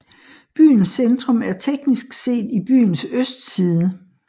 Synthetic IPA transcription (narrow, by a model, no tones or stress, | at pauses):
b̥y̰ːnsend̥ʁɔ̽mæɐt͡sʰeɡ̥nisɡ̥se̝̰ːd̥ib̥y̰ːnsøsd̥siːðˠə